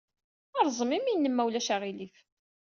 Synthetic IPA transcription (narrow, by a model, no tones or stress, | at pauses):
ɑɾˤzˤəmiminːəmːæwlæʃæʁilif